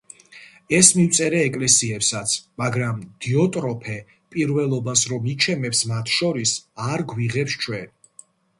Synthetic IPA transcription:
ɛsmiwt̪sʼɛɾɛːkʼlɛsiɛpsat̪sʰmaɡɾamd̪̥iɔt̪ʼɾɔpʰɛ | pʼiɾvɛlˠɔbasɾɔmit͡ʃʰɛmɛpsmat̪ʰʃɔɾisaɾɡwiʁɛpst͡ʃʰwɛn

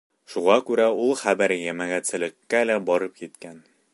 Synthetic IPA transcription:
ʃuʁɑkʉɾæulˠχæbæɾjæmæɡæt̪sɘ̆lɘ̆kːælæbɒɾɤpjit̪kæn

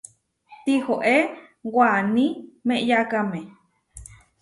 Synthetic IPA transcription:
t̪ihoʔewanĩmẽʔjakame

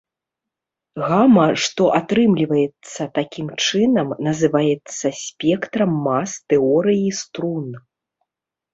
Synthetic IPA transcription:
ɣamɐʂt̪ɔʔat̪ɾɨmlʲivɐjɛt̪sːɐt̪akʲimt͡ʂɨnɐmnɐzɨvajɛt̪sːɐsʲpʲɛkt̪ɾɐmːast̪ɛɔɾɨjist̪ɾun

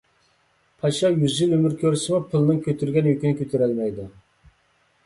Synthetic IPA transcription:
pʰɑʃɑjyzʒilømyɾkʲøɾsɪmʊpʰɨlˠnɨŋkʲʰøt̪ʰyɾɡʲɛnjykʲinɪkʲʰøt̪ʰyɾɛlmɛjd̪ɪ

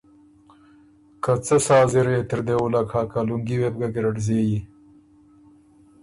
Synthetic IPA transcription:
kat͡səsɑːzɪɾet̪ɪɾd̪ewulakʰaːkaluŋɡiweb̚ɡaɡɪɾaʈzeji

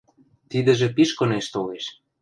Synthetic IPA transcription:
t̪id̪ə̆ʒĕpiʃkɤ̆neʃt̪oleʃ

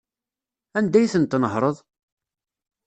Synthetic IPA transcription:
ænd̪æjθənt̪ːnəɦɾˤəðˤ

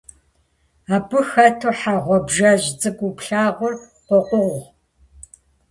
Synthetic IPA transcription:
aːbɨxɐtʰɨħaʁʷɔbʒɐʑt͡sʼɨɡʷupɬaːʁʷʊr | qʷɔqʷʊʁ

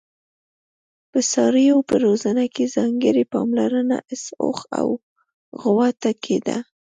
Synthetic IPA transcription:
pəsɑɾəjawpəɾozanakezɑŋɡəɾepɑ̰mlaɾəna̰ʔɪso̰xa̰w | ɣwat̪akʰed̪a̰

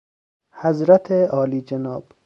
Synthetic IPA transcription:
hazɾat̪ʰeɒːliːd͡ʒenɒːb̥

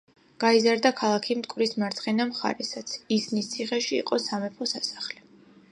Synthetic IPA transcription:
ɡ̥aizaɾd̪akʰalˠakʰimt̪ʼkʼwɾismaɾt̪sʰʼχɛnamχa̰ɾɛsat̪sʰisnist̪sʰiχɛʃḭːqʼɔsamɛpʰɔsasḁχlɛ

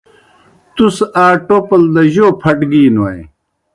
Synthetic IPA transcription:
t̪usaːʈoːpɐld̪ɐʑoːpʰɐʈɡiːnuɐj

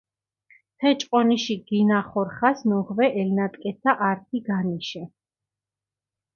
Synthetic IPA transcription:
t̪ʰɛt͡ʃʼqʼɔniʃiɡ̥inaχɔɾχasnuʁvɛʔɛlnat̪ʼkʼɛsʰaʔaɾt̪ʰiɡaniʃɛ

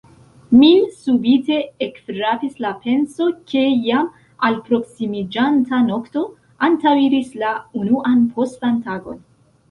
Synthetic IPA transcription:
misubite̞ekfɾapislape̞nso̞kʰe̞jam | alpɾo̞ksimid͡ʒantano̞kto̞ | antawiɾislaunuʔanpʰo̞stfantaɡo̞̰n

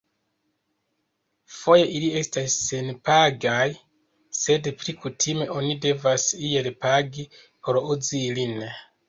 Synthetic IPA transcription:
fo̞je̞ʔilie̞stasːenpaɡaj | se̞dplikutʰime̞ʔo̞nide̞vasie̞lpaɡi | po̞ɾuzilin

